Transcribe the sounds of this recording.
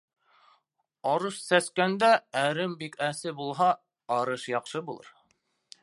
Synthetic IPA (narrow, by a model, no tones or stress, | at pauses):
ɑɾɤʃsæskænd̪ææɾɘmbikæsɘbulˠɦɑ | ɑɾɤʃjɑqʃɤbulˠɤ̰ɾ